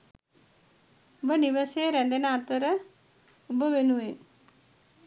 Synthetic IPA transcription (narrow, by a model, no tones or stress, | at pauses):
bəniʋəseɾɛ̃nd̪enat̪əɾə | bəʋenue